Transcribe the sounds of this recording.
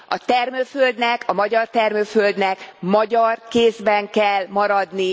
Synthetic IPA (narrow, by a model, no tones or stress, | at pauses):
ʔɒt̪ɛrmøːføld̪nɛkʰɒmɒɟɒrt̪ɛrmøːfø̞ld̪nɛkmɒɟɒrkeːzbɛŋkɛlmɒɾɒd̪ni